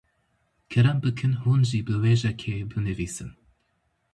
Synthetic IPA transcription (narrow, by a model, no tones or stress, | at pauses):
kʰɛɾɛmbɨkʰɨnhuːnʒibɨweːʒɛkʰeːbɨnɨviːsɨn